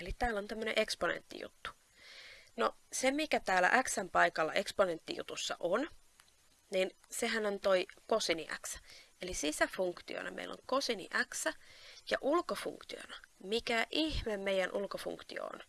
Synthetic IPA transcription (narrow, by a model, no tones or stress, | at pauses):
elit̪æːlːont̪æmːøneʔeksponḛnt̪ːḭjṵt̪ːu̥ | nosemmikæt̪æːlæ̰ʔæksæmpɑikɑlːɑʔekspone̞nt̪ːḭjṵt̪usːɑ̰ʔon | nin | seɦænont̪oikosiniʔæ̰ksæ̥elisisæfuŋkt̪io̰nɑmḛilːo̰ŋkosinḭʔæksæjɑʔulkofṵŋkt̪io̰nɑmikæʔihmemmeijænʔulkofṵŋkt̪io̰o̰n